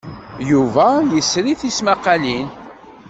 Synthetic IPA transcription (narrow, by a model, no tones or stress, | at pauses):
juvæjəsɾiθismaqːalin